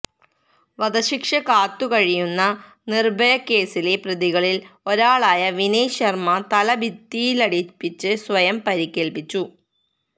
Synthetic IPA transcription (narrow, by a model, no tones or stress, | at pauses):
ʋɐd̪ɐɕikʂɐkaːt̪ːukɐɻijunːɐ | nirbʱɐjɐkːe̞ːsile̞prɐðiɣɐɭilo̞ɾaːɭaːjɐʋinejɕɐrmɐt̪ɐlɐbʱit̪ːijilɐɽipːit͡ɕːɨsʋɐjɐmpɐɾikʲːeːlpit͡ɕːu